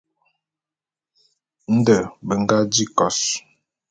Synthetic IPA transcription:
n̩˦də˦˨bə˨ŋ̩˦ɡa˦d͡ʒi˦˨kɔ˨s

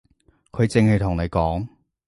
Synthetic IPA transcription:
kʰɵ˨˧ɥt͡sɪ˨ŋhɐ˨jt̪ʰʊ˨˩ŋne˨˧jkɔː˨˥ŋ

